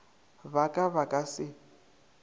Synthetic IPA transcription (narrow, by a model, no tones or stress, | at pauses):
βakʼaβakʼasɪ